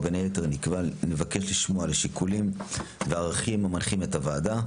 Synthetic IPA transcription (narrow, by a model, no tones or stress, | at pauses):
benejeteʁnikvanevake̞ʃliʃmoaleʃikʰulimveaʁaχimamanχimetavaːda